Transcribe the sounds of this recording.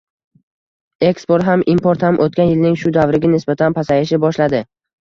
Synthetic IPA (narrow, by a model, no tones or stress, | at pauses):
e̞kspoɾt̪ɦamʔimpoɾt̪hamʔot̪̚kʲanjɪlnɪŋʃʊd̪avɾɪɡʲanɪsbat̪ʰanpʰasajɪʃ̬ɪbɒʃlad̪ɪ